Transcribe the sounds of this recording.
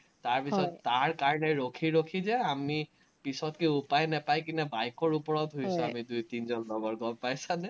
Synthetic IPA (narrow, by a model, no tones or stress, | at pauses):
taɹpisɔtːaɹkaɹɔnɛɹokʰiɹokʰizɛami | pisɔtkiupajnɛpajkinɛbajkɔɹupɔɹɔtɦojsɔamidujtinzɔnlɔɡɔɹɡɔmpajsanɛ